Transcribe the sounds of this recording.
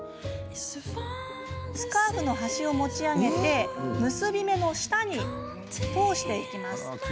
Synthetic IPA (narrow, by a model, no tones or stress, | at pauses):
sɨ̥kaːɸɯ̟no̞ɦaɕio̞mo̞t͡ɕiaɡe̞t̪e̞mɯ̟sɨbʲime̞no̞ɕi̥t̪aɲ̟i | t͡sɨ̥pːo̞ːɕi̥t̪e̞ikʲimasɨ̥